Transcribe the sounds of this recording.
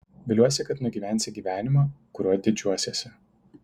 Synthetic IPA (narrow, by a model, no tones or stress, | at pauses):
ʋʲɪlʲuɔsʲɪkɐt̪nʊɡʲiːʋʲæˑnʲsʲɪɡʲiːʋʲæːnʲɪmoːkʊɾʲuɔd̪ʲɪd͡ʒʲuɔsʲeːsʲɪ